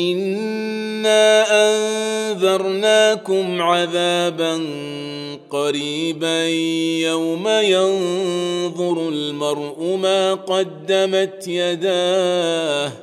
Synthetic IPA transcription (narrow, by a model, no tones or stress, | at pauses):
ʔɪnː | aːʔanðɑɾˤnaːkʊmʕaðaːban | qɑɾiːbajawmajɑn | ðˤʊɾalmɑɾˤʔʊmaːqɑd̪ːamat̪jad̪aː | h